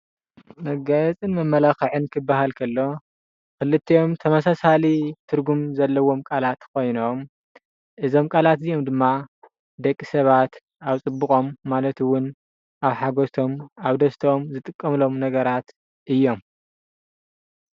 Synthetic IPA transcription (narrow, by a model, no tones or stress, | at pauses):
mɐɡɐt͡sʼɨnmɐmːɐlaxɐʕɨnkʰɨbːaɦalkʰɐlːo̞ | kɨlɨt̪ʰːijo̞mt̪ʰɐmɐsasalit̪ʰɨɾɡumzɐlːɐwo̞mkʼalat̪kʰo̞jno̞m | ʔɨzo̞mkʼalat̪zijo̞md̪ɨmːa | d̪ɐkʼːisɐβat̪ | aβt͡sʼɨbːukʼo̞mːalɐt̪wʊn | ʔaβħaɡot̪ʰo̞maβd̪ɐst̪ʰomzɨt̪ʼɨkʼːɐmlo̞mnɐɡɐɾat̪ | ʔɨjːo̞m